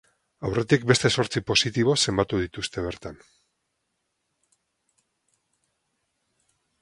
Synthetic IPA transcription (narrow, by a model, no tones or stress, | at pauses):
awre̞t̪ik̚be̞st̪e̞so̞ɾt͡sipo̞sit̪iβ̞o̞se̞mbat̪uð̞it̪ust̪e̞β̞e̞ɾt̪an